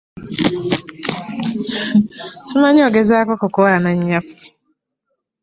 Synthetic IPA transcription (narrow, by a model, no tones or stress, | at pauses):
sumaɲɔɡezaːkɔkɔkɔanaɲːaf